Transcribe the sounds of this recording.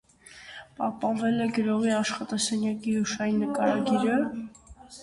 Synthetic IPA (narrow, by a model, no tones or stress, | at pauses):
pɑhpɑnvɛlɛɡəɾɔʁiɑʃχɑt̪ɑsɛnjɑkiɦuʃɑjinːəkɑɾɑɡiɾə